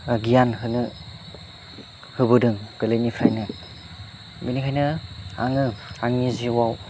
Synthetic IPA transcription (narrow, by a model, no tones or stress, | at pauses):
aɡijanɦɯnɯ | hɯbɯdɯŋɡ̥ɯlɯjnipʰɾa̰jnɯ | binikʰajnɯa̰ŋɯaŋiziwaw